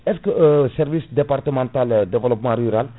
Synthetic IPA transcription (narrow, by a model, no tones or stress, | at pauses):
ɛskəsɛɾvisd̪epart̪əmɑ̃t̪ald̪evəlɔpmɑ̃ɾyɾal